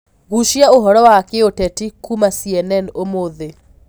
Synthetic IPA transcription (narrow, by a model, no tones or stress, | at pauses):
ɣuʃjaoɦɔɾɔwakeotɛtikumasiɛnɛnomoðe